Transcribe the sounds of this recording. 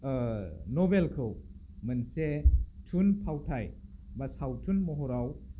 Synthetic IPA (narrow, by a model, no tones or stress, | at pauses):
nobelkʰɯw | mɯnsetʰunpʰawtʰajbasawtʰunmɔɦoɾaw